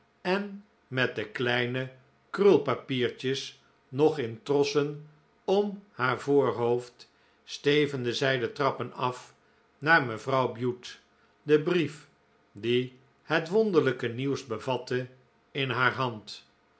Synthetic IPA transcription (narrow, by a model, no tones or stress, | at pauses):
ɛn | mɛt̚dəklɛjnə | krɵlˠpapiːɹt͡ʃəs | nɔχɪntrɔsən | ɔmhaːɹvʊːɹɦowft | stejvəndəzɛjdətrɑpənɑf | naːɹməvrɑwbjut | dəbrif | di | hətʋɔndəɹləkəniwzbəvɑtə | ɪnɦaːɹɦɑnt